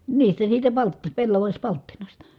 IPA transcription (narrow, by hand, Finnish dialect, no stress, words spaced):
niːstæ siːtæ pɑlt pelːɑʋɑsʲpɑltːinɑstɑ